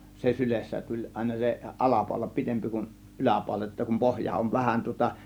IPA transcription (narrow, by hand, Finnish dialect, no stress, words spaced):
se sylesːæ tulʲ ɑˑe̝nɑ se ʔɑlɑpɑˑo̝lɑ pitempi kun ʔylæpɑˑo̝lɑ jotːɑ kum pohjɑ oʋ ʋæhæn tŭŏtɑ